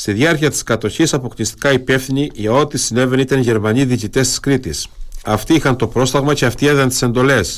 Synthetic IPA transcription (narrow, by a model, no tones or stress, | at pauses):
st̪iðʝɐɾciɐt̪i̥skɐt̪o̞çisɐpo̞klist̪i̥kɐipe̞fθiniʝɐo̞t̪isine̞ve̞nit̪ɐnʝe̞ɾmɐniðicit̪e̞st̪i̥skɾit̪isɐft̪iixɐnt̪o̞pɾo̞st̪ɐɣmɐce̞ɐft̪ieðɐnt̪ise̞nd̪o̞le̞s